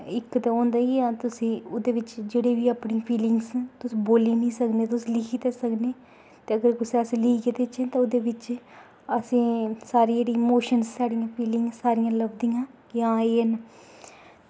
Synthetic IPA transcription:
ɪkt̪aõːnd̪aːijãːt̪ʊsĩːʊd̪eːʋɪt͡ʃd͡ʒeːɽeːʋiːaːpɳĩpʰiːlɪŋɡst̪ʊsĩːboːliːnĩːsəkneːt̪̬ʊsĩːlɪkʰiːt̪eːsəkneː | t̪eːəɡəɾkʊseəsĩːlɪkːkeːd̪eːɪt͡ʃẽːt̪ãʊd̪eːʋɪt͡ʃ | əsĩːsaːɾiːeːɽiːemoːʃənssaːɽijãːpʰiːlɪŋɡsːaːɾijãːləbd̪ijãː | jãːeːən

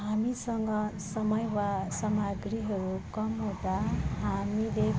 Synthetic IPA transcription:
ɦamisʌŋɡʌsʌmʌjwasʌmaɡriɦʌɾukʌmɦõd̪aɦamile

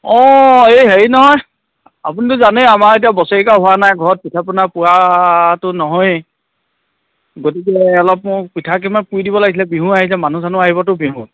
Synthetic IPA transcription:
ɔejɦeɹinɔɦɔj | a̰punitʊzanejamaɹet̬ijabɔsɔɹikaɦʊwanajɡʱɔɹɔt̚pitʰapʊnapʊwatʊnɔɦɔj | ɡot̬ik̬ɛɔlɔp̚mʊpitʰak̬imanpujdibɔlaɡis̬ʰilɛbiɦũaɦisɛmanusanʊaɦibɔtʊbiɦũ

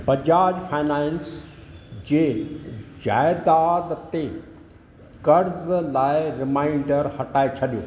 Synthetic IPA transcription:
bɐd͡ʑaːd͡ʑfʰaːɪnaːɪns | d͡ʑeːd͡ʑa̰ːɪd̪aːd̪t̪e | kɐɾzlaːɪɾɪmãːɪ̃ɳɖəɾhɐʈaːet͡ɕʰɐɗijoː

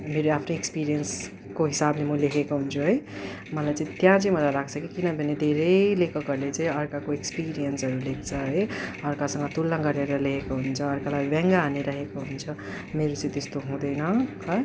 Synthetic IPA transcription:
meɾoapʰnoekspiɾijʌns | koɦisablemʌlekʰekoɦunt͡sʰuɦʌj | mʌlajt͡sʌ̃ĩt̪jãt͡sʌĩmʌlalaɡt͡sʰʌkikinʌbʱʌned̪ʱeɾʌjlekʌkʌrlet͡saĩʌɾkakoekspiɾijʌnsɦʌɾulek̚t͡sʰʌɦʌjʌɾkasʌ̃ŋɡʌt̪ulːãɡʌɾeɾʌlekʰekoɦunt͡sʰʌːɾkalabɛ̃ŋɡaːneɾʌɦekoɦunt͡sʰʌ | meɾot͡sʌ̃ĩt̪est̪oɦũd̪ʌjnʌɦʌ

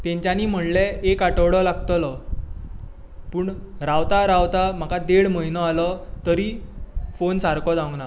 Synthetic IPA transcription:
t̪ẽɲt͡ɕaniːm̤əɳleekaʈəʋɽɔlaɡt̪əlɔ | puːɳɾaʋt̪aɾawt̪am̤akad̪eɽməɦinɔalɔt̪əɾiːfonsaɾkɔd͡zãwŋɡna

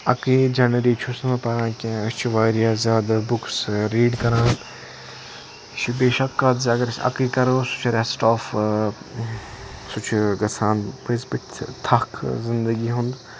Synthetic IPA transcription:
ɐkid͡ʒɐnɾiːt͡ʃʰusɐmɐpɐɾãːkʲẽɐt͡ʃʰuʋaːɾijaːzʲjaːd̪abʊksɾiːɖkɐɾãːn | t͡ʃʰibeːʃɐkːat̪zɐɡəɾsʰɐ̰kiːkɐɾoːsʊ̥t͡ʃʰɾesʈaːf | sʊt͡ʃʰɡɐsʰaːnpisbiʈʰt̪ʰɐkʰzɪnd̪əɡiːɦʊ̃nd̪

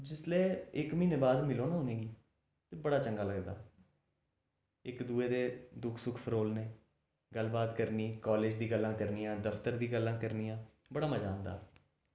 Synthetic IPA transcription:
d͡ʒɪsleːɪkmiːneːbaːd̪mɪloːnaɦoːnẽːɡiː | t̪eːbəɽaːt͡ʃəŋɡaːləɡd̪a̰ː | ɪkd̪uːeːd̪eːd̪ʊkʰsʊkʰpʰəɾoːlneː | ɡəlbaːt̪kəɾniːkɔːleːd͡ʒd̪iːɡəlːãːkəɾnijãːd̪əfʰt̪əɾd̪iːɡəlːãːkəɾniːjãː | bəɽaːməd͡ʒaːnd̪a̰ː

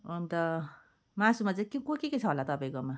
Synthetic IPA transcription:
ont̪ʌ | masumat͡saĩkikokeket͡sʰʌɦolat̪ʌpaĩkoma

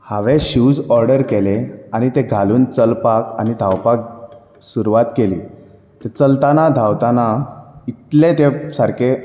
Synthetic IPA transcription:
haʋeɕud͡zɔɾɖəɾkeleañit̪eɡʱaluːnt͡səlpaka̰ñid̪ʱawpak̚ | suɾuʋat̪kelḭː | t̪əɾt͡səlt̪anad̪ʱawt̪anait̪let̪esaɾkʰe

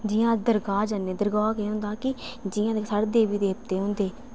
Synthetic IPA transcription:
d͡ʒɪjãːd̪əɾɡaːd͡ʒəneːd̪əɾɡaːkeːɦʊ̃nd̪aːkɪd͡ʒɪjãːd̪esəɽd̪eːʋiːd̪eːp̚t̪eːɦʊ̃nd̪eː

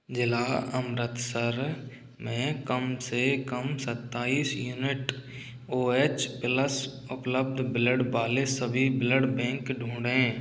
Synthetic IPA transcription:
d͡ʒɪlaːəmɾət̪səɾ | mẽkəmsekəmsət̪ːaːiːsjuːnɪʈ | oːeːt͡ʃpɪləs | ʊpləbd̪ʱbɪləɖbaːlesəbʱibɪləɖbɛ̃ːŋkɖʱũːɳɖẽː

